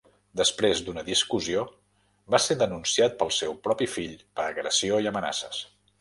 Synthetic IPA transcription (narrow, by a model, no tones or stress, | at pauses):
d̪əspɾezd̪unəðiskuzio | baseðənunsiat̪̚pəlˠsɛwpɾɔpifiʎpəɾəɣɾə̰sioiəməna̰sə̰s